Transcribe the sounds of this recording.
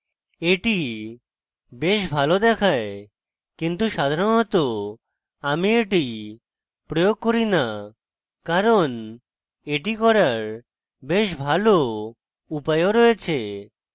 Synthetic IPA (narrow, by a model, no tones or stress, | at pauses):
eʈi | beʃbʱalod̪ɛkʰae | kint̪uʃad̪ʱaɾonɔt̪o | amieʈi | pɾojoɡ̚koɾina | kaɾon | eʈikɔɾaɾ | beʃbʱalo | upajoɾɔet͡ɕʰe